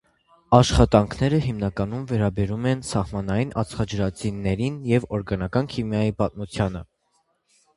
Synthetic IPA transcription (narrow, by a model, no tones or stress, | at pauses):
ɑʃχɑt̪ɑŋkʰnɛɾəɦimnɑkɑnumvɛɾɑbɛɾumɛnsɑhmɑnɑjinʔɑ̰t͡sʰχɑd͡ʒəɾɑt͡sinːɛɾinjɛvɔɾɡɑnɑkɑnkʰimjɑjipɑt̪̚mut͡sʰjɑnə